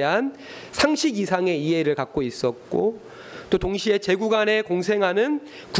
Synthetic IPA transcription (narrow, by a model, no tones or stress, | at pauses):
ɦan | sʰaŋɕʰiɡisʰaŋe̞iɦe̞ɾɯɭkak̚k͈ois͈ʌt̚k͈o | t͈otoŋɕʰie̞t͡ɕe̞ɡuɡane̞koŋsʰe̞ŋɦanɯn | ku